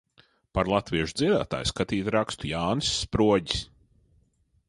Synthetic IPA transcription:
paɾlˠat̪viɛʃud̪ziɛd̪a̰ːt̪a̰ːjskat̪iːt̪ʲɾakst̪ujaːnɨsːpɾuɔɟi̥s

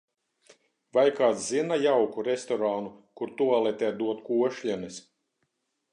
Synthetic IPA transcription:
vajkaːzzinajawkuɾest̪ɔɾaːnukuɾt̪uɔlˠɛt̪ʲɛːd̪uɔt̪kuɔʃlʲɛnis

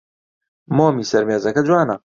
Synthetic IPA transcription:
moːmisɐɾmeːzɐkɐd͡ʒwaːnɐ

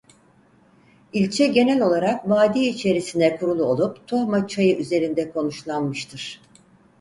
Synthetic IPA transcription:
ilʲt͡ʃʰɛɟe̞nælʲo̞lˠaɾakvaːd̪iːit͡ʃʰe̞ɾisinɛkʰuɾulˠuo̞lˠupt̪ʰohmat͡ʃʰajɯʔyze̞ɾind̪ɛkʰo̞nuʃlˠanmɯʃt̪ʰɯɾ̥

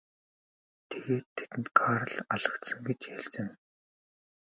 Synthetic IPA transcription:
t̪ʰeɣeːt̪ʰːet̪ɘ̆nt̪kʰaɾə̆ɮaɮə̆kt̪sə̆ŋɡet͡ɕjæɬt͡sɘ̆ŋ

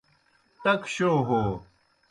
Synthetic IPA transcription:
t̪ɐkɕoːɦoː

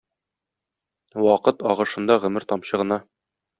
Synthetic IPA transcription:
wɒqɤt̪ɒʁɤ̆ʃɤ̆nd̪ɑʁɵ̆mɘɾt̪ɒmɕɤ̆ʁɤ̆nɑ

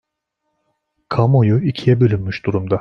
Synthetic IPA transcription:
kʰamojuicʰijɛbølʲynmyʃd̪̥uɾumd̪a

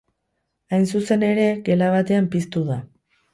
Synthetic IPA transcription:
ajnsuse̞ne̞ɾe̞ɡe̞laβ̞at̪e̞ampist̪uða

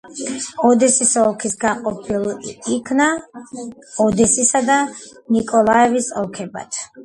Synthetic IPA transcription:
ɔd̪ɛsisɔlˠkʰisɡaqʼɔpʰilˠikʰna | ɔd̪ɛsisad̪anikʼɔlˠaɛvisɔlˠkʰɛba̰t̪ʰ

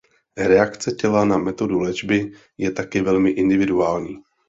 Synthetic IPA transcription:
ɾɛakt͡sɛcɛlanamɛt̪o̞dulɛd͡ʒbɪ | jɛt̪akɛvɛlmɪʔɪndɪvɪduaːlɲiː

